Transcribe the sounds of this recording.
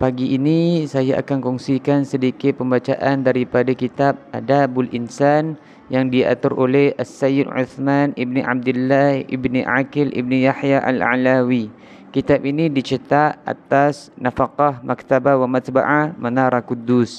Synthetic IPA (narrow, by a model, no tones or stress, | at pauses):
paɡiʔːnisajaʔa̰kankɔŋsikansədikɪt̪̚pəmbat͡ʃaʔandaɾipadakit̪ap̚adabʊlʔinsan | jaŋdia̰t̪ʊɾʔolɛhasːajɪdʕṵθmanibniʔa̰b̚d̪ulːahḭbniʔa̰kɪlʔḭbnijaħjaʔa̰la̰ʕlawi | kit̪ap̚inidit͡ʃət̪aʔa̰t̪asnafaqahmak̚t̪abawamat̪ba̰ʕamanaɾakud̪ːus